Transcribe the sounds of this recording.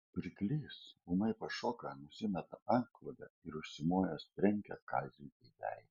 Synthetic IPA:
pʲɾʲɪklʲiːsuːnɐɪpɐʃoːkɑnʊsʲɪmʲɛt̪ɐɐŋklˠɐd̪ʲɛ̰ɪɾʊʃʲsʲɪmoːjɛspʲɾʲɛŋʲkʲɛkɑːzʲutʲɛɪd̪ʲæ̰ˑj

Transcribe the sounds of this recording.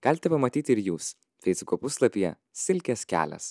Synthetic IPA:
ɡ̥ɐlʲɪt̪ʲɛpɐmɐt̪ʲiːt̪ʲɪɾjuːs | fʲɛɪsʲʊkoːpʊslˠɐpʲijɛ̰ | sʲɪlʲkʲɛskʲæ̰ːlʲɛ̰s

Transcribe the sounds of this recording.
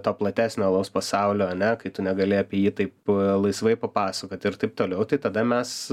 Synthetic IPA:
t̪oːplˠɐt̪ʲæːsʲnʲoːlˠɐʊspɐsɑʊlʲoːɐnʲɛkɐɪt̪ʊnʲɛɡɐlʲɪɐpʲiɛjiːt̪ɐɪplˠɐɪsʋɐɪpɐpɑːsɐkoːt̪ʲɪɾt̪ɐɪp̚t̪oːlʲɛʊt̪ɐɪt̪ɐd̪ɐmʲɛs

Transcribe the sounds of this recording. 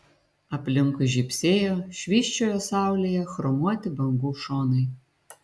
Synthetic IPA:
ɐplʲɪŋkʊʒʲipsʲejɔʃʋʲiʃt͡ʃɔjɔsɑwlʲɛjɛxɾɔmɔt̪ʲɪbɐŋɡuʃɔnɪj

